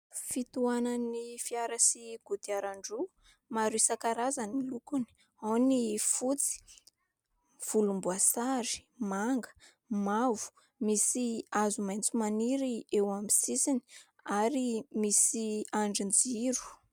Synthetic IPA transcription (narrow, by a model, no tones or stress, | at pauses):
fit̪uananifiaɾasiɡ̥ut̪iaɾaɳɖ͡ʐu | maɾisakaɾazanilukuni̥ | awnifut͡si̥ | v̥ulumbuasaɾi̥maŋɡə̥ | mavu̥ | misiazumajnt͡sumaniɾiewamisisini̥ | aɾimisiaɳɖ͡ʐind͡ziɾu̥